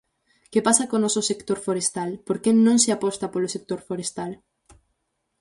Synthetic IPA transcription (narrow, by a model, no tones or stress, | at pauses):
kepasakonɔsʊsekt̪oɾfoɾest̪alpoɾkenõŋsɪapɔst̪apolosek̚t̪oɾfoɾest̪al